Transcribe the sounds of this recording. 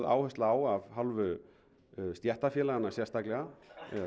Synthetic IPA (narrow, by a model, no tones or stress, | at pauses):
ða̰ːwhʏst̪aaːwavɦalvʏ | st̪jɛht̪afjɛːlaɣanːasjɛrst̪aklɛɣaɛ